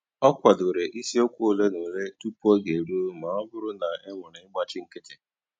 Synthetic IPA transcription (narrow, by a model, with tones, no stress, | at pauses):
ɔ˦kʷa˨dʊ˨ɾe˨ʔi˦si˦o˦kʷu˦o˦˨le˦ne˨ɾe˦tu˦pu˦o˦ɡe˨ɾu˦o˦ma˨ɔ˦bʊ˦ɾʊ˦na˨ɪ˦ŋʷʊ˨nɪ˨ɪ˦ɡ͡ba˦t͡ʃɪ˦ŋ̩˦kɪ˦tɪ˦